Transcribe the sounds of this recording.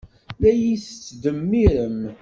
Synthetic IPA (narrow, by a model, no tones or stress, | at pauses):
læjisət͡sːd̪əmːiɾəm